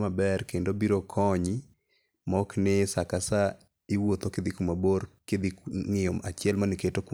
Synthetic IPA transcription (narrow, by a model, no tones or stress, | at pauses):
mabɛrkendobiɾokʰɔɲ | mɔknɪsakasa | ɪwot̪okɪd̪ɪkumaborked̪ɪŋɪjɔma̰t͡ʃjɛlmaniketok